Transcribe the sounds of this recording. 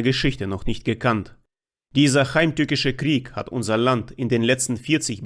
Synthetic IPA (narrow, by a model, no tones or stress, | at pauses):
ɐɡəʃɪçtənɔχnɪçt̚ɡ̥əkʰant | d̥iːzɐhaɪmtʏɐkɪʃəkʁ̥iːkha̰tʔʊ̰nzɐlantɪndeːnlɛt͡stn̩fiːɐt͡sɪç